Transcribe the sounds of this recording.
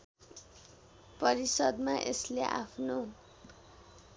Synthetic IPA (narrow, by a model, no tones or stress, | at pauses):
pʌɾisʌd̪maʔesleʔa̰pʰno